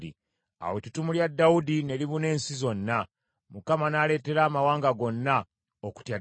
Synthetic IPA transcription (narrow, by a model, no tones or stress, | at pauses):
ḭ | a̰wetutumuljadːaudine̞liβune̞ːnsizo̞nːa | mukamanaːle̞ːte̞ɾaːmawaːŋɡaɡo̞nːa | oku̥tja